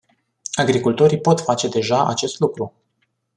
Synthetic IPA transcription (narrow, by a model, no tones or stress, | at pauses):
aɡɾikult̪o̞ɾijpo̞t̪fat͡ʃe̞d̪e̞ʒaʔa̰t͡ʃe̞st̪lukɾu